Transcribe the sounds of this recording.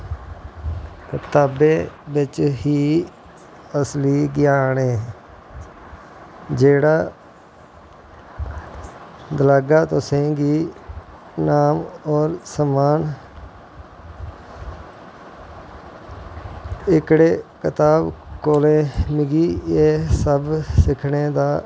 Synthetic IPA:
kət̪aːbeːbɪt͡ʃɦiː | əsliːɡɪjaːneː | d͡ʒeːɽaː | d̪əlaːɡaːt̪osẽːɡiː | naːmɔːɾsəmaːn | ɪkɽeːkɪt̪aːbkoːlẽːmɪɡiːeːsəbsɪkʰɳeːd̪aː

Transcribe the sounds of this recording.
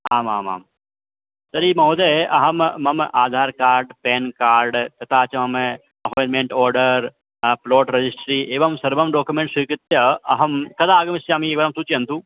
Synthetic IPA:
aːma̰ːma̰ːm | sɐɾiːmɐɦoːd̪eʔɐɦɐmmɐmaːd̪ʱaːɾkaːɾɖpɛːnkaːɾɖt̪ɐt̪aːt͡ʃʰɐmɐm | ɐpʰoːjnmẽːɳʈɔːɾɖəɾ | ploːʈɾɐd͡ʒisʈɾiːʔeːʋɐmsɐɾbɐmɖoːkjumẽːɳʈsukɪt̪ːjɐɐɦɐmkɐd̪aːɡɐmɪst͡ʃaːmieːk̚baːɾɐmt̪uːt͡ʃiɐnt̪uː

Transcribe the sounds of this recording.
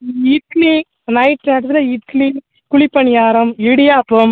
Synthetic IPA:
iːʈ̚kli | nɐɪʈnɐɽɐt̪lɐiːʈ̚kli | kʊɭipːɐɳɪjaːɾɐmiɽɪjaːpːɐm

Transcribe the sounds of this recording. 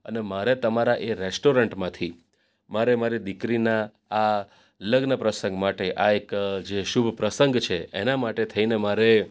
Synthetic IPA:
ənemaɾet̪əmaɾaʔeɾesʈoɾəɳʈmãt̪ʰi | maɾemaɾid̪ikɾinaː | ləɡnəpɾəsə̃ŋɡmaʈeʔaekd͡ʒeʃubʱpɾəsəŋɡt͡ʃʰeḛnamaʈet̪ʰəinemaɾe

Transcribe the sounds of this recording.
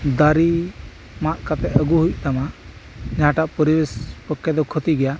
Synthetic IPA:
d̪aɾi | maʔkat̪ɛʔəɡuɦuʔt̪amad͡ʒaɦãʈaʔpɔɾibespəkːɛd̪ɔkʰɔt̪iɡɛja

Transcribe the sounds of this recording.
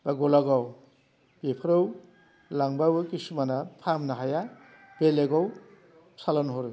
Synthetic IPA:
baɡɔlaɡɔw | b̥epʰɯɾɔw | laŋbawɯkisumanapʰamnaɦaja | b̥eleɡɔw | salɔnɦɔɾɯ

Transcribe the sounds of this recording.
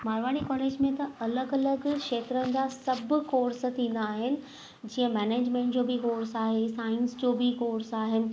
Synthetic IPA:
maːɾʋaːɽikɔːleːd͡ʑmẽt̪ɐɐləɡɐləɡkʃeːt̪ɾənɪ̆d͡ʑasɐbʱʊ̆koːɾst̪ʰĩːn̆d̪aːɦɪnɪ̆ | d͡ʑiːə̃mɛːneːd͡ʑmẽːɳʈd͡ʑoːbɪkoːɾsaːɦesaːɪnsd͡ʑoːbɪkoːɾsaːɦɪnɪ̆

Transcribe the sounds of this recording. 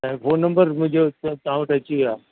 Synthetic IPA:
ɛ̃ːfoːnːɐ̃mbəɾmʊ̃ɦɪ̃ɲd͡ʑot̪ɐɦãʋɐʈʰɐt͡ɕoʋiaː

